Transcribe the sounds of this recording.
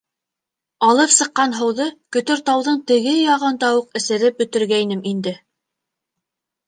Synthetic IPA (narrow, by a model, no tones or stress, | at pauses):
ɑlˠɤpsɤ̆qːɑnɦɤ̆wðɤkɵ̆t̪ɵɾt̪ɑwðɤɴt̪ɘ̆ɡɘjɑʁɤnd̪ɑwuqɘ̆sɘ̆ɾɘp̚bɵ̆t̪ɘ̆ɾɡæjnɘmʔind̪ɘ